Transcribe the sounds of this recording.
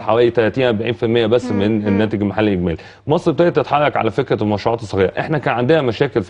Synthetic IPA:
ħawæːlit̪ælæt̪iːnʔæɾˤbaʕiːnfilmejːæbæsːmenenːæːt̪eɡlmaħalːʔeɡmæ̰ːl | mɑsˤːbet̪æːʕet̪ːet̪ħɑrˤːɑkʕa̰læfekɾæmɑʃɾuʕɑːt̪esˤːɑɣiːɾˤɑ̰ʔeħnækæːnʕand̪ehæmæʃæːkelf

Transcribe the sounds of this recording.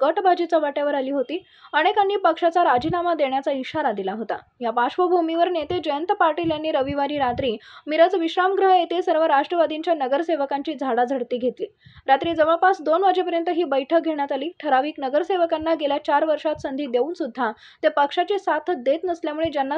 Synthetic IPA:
ɡəʈbʱad͡ʑit͡saʋaʈjaʋəɾaliːɦot̪iː | əɽ̃ekanːiːpəkʂat͡saɾad͡ʑiːnamad̪eɳjat͡saiɕaɾad̪ilaɦot̪a̰ɦjabaɕʋəbʱumiʋəɾnet̪ed͡ʑəjənt̪əpaɾʈiljanːiːɾəʋiʋaɾiːɾat̪ɾiːmiɾəd͡zʋiɕɾamɡɾəɦet̪esəɾʋəɾaʂʈɾəʋad̪iɲt͡ɕjanəɡəɾseʋəkaɲt͡ɕiːd͡zʱaɽad͡zʱəɽt̪iːɡʱet̪liː | ɾat̪ɾiːd͡zəʋəɭpasd̪onʋad͡ʑepəɾjənt̪əɦiːbəjʈʰək̚ɡʱeɽ̃jat̪aliːʈʰəɾaʋiːknəɡəɾseʋəkanːaɡeljat͡ɕaɾʋəɾʂat̪sənd̪ʱiːd̪euːnsud̪ʱːa | t̪epəkʂat͡ɕisat̪ʰd̪et̪nəsljamuɭed͡ʑjanːa

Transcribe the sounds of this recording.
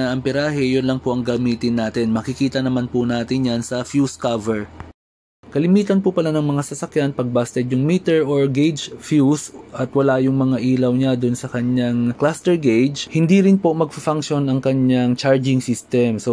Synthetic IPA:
aʔɐmpɪɾaːɦɛjʊnlɐŋpoʔɐŋɡɐmiːt̪ɪnːaːt̪ɪnmɐkɪkiːt̪ɐnɐmanpʊnaːt̪ɪnjansɐfjuskavɛɹ | kɐlɪmiːt̪ɐnpʊpɐlanɐŋmɐŋasɐsɐkjanpɐɡ̚bast̪ɛd̪jʊŋmiːt̪ɛɹoɹɡejd͡ʒfjusʔɐt̪wɐlajʊŋmɐŋaʔiːlɐwɲad̪ʊnsɐkɐɲːaŋklast̪ɛɹɡejd͡ʒhɪnd̪iɾɪnpomɐɡ̚fɐfaŋkʃo̞nɐŋkɐɲaŋt͡ʃaɹd͡ʒɪŋsɪst̪ɛmso

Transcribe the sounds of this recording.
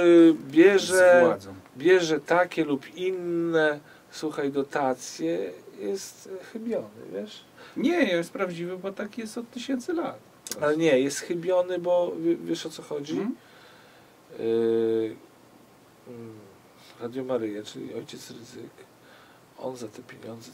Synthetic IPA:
bʲjɛʐɛazɛbʲjɛʐɛt̪akʲɛlupʰinːɛ | swuxajd̪ɔt̪at̪sʲjɛjɛst̪xɘbʲjɔnɘ̰vʲjɛʂ | ɲɛjɛjɛst̪pɾavd͡ʑivɘbɔt̪akʲijɛst̪ɔt̪t̪ːɘɕɛnt̪sɘlat̪ | alɛɲɛjɛst̪xɘbʲjɔnɘbɔvʲɛvʲjɛʂɔt̪sɔxɔd͡ʑi | ɾad̪ʲjɔmaɾɘjat͡ʂɘ̰lʲḭʔɔjt͡ɕɛt̪sɾɘzɘk | ɔ̰nzat̪ɛpʲjeɲɔnd̪zɛ

